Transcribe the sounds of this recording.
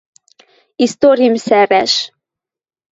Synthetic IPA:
ist̪oɾimsɛɾɛʃ

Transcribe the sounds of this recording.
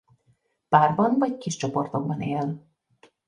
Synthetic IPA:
paːrbɒnvɒckiʃt͡ʃo̞po̞rt̪o̞ɡ̚bɒneːl

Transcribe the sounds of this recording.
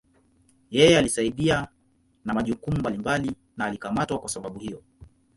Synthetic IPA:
jɛjɛalisaiɗia | namaʄukumumbalimbali | naːlikamatwakwasaɓaɓuhijɔ

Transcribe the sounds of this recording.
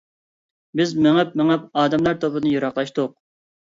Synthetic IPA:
bɪzmeŋɛpmeŋɛpɑːd̪ɛmlˠɑɾt̪ʰopɨd̪ɨnɨjuɾɑχlˠɑʃt̪ʊq̚

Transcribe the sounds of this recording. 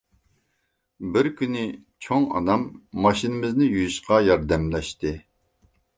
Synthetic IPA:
bɪɾkʲynɪt͡ʃʰoŋɑ̰nɑmːɑʃinɪmɪznɪjujiʃqɑjɑɾd̪ɛmlɛʃt̪ɪ

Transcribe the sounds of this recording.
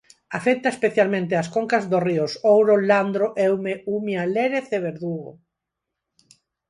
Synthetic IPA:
afɛk̚t̪ɐespeθjalmẽnt̪̬easkoŋkazðoriosowɾoland̪ɾoʔɛwmeumjaleɾeθeβ̞eɾðuɣo̰

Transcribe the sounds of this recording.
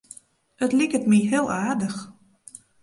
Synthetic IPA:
ətlikətmiɦɪːlˠaːdəx

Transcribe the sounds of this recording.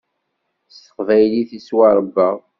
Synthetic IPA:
st̪ə̥qvæjliθiswɑɾˤəbːɑ

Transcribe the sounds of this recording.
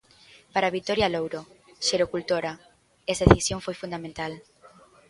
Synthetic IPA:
paɾaβit̪ɔɾjalowɾo | ʃeɾokult̪oɾa | ɛseθisjoŋfojfund̪amẽnt̪al

